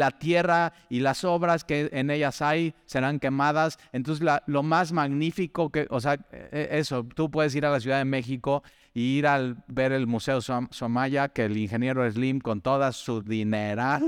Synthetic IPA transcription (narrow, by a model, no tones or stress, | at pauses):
lat̪je̞ra | ilaso̞βɾaske̞ʔene̞ʝasajse̞ɾaŋke̞mað̞asent̪o̞ns̬ezlalo̞mazmaɣnifiko̞keʔos̬eaʔe̞so̞t̪upwe̞ð̞e̞s̬iɾalas̬juðaðe̞me̞xiko̞ | iiɾalbe̞ɾe̞lmuse̞ossomaʝake̞linxe̞nje̞ɾo̞e̞zlimko̞nt̪o̞ðasuðineɾal